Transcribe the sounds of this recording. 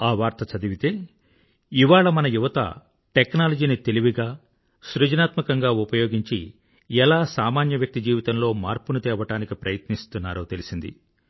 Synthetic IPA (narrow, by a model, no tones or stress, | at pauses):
aːʋaːɾt̪ɐt͡ʃɐd̪iʋit̪e̞ː | iʋaːɭɐmɐnɐjuʋɐt̪ɐ̰ | ʈeknaːlɐd͡ʒiːnit̪e̞liʋiɡaː | sɾud͡ʒɐnaːt̪mɐkɐŋɡaːupɐjoːɡiɲt͡ʃi | ɛlaːsaːmaːnjɐʋjɐk̚t̪id͡ʒiːʋit̪ɐmlo̞ːmaːɾpunut̪ɛːʋɐʈaːnikipɾɐjɐt̪nist̪unːaːɾoːt̪e̞lisind̪ḭ